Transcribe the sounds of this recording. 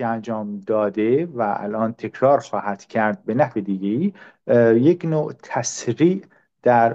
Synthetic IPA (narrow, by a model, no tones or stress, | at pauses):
eænd͡ʒɒːmd̪ɒːd̪evæʔæ̰lʔɒːnt̪ʰe̞kʰɾɒːɾxɒːhæd̪̥cʰæɾd̪̚benæhved̪iɡeiː | jeknoːt̪ʰæsɾiːʔ | d̪̥æɾ